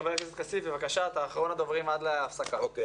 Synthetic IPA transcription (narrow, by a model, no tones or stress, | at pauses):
vekzot̪kasifvevakaʃat̪aːχaʁo̞nad̪o̞vʁimad̪leafsakao